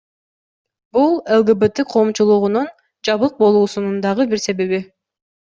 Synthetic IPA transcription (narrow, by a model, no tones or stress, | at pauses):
bulˠelˠɡebet̪eqʰo̞ːmt͡ʃulˠuʁunun | d͡ʒɑβɯq̚bo̞lˠuːsunund̪ɑʁɯbiɾse̞βe̞βi